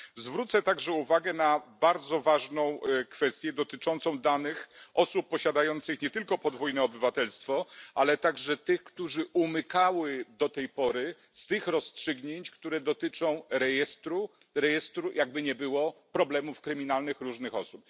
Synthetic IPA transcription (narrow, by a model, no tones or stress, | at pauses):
zvɾut̪sɛt̪aɡʐɛuvaɡɛnabaɾd̪zɔvaʐnɔ̃w̃kfɛst̪ʲjɛd̪ɔt̪ɘt͡ʂɔnt̪sɔ̃w̃d̪anɘxʔɔsupːɔɕad̪ajɔnt̪sɘxɲɛt̪ɘlkɔpɔd̪vujnɛɔbɘvat̪ɛlst̪fɔʔalɛt̪aɡʐɛt̪ɘxkt̪uʐɘʔumɘkawɘd̪ɔt̪ɛjpɔɾɘ | st̪ɘxɾɔstʂɘɡɲeɲt͡ɕkt̪uɾɛd̪ɔt̪ɘt͡ʂɔ̃w̃ɾɛjɛst̪ɾu | ɾɛjɛst̪ɾujʔaɡ̚bɘɲɛbɘwɔpɾɔblɛmufkɾɘmʲinalnɘxɾuʐnɘxɔsup̚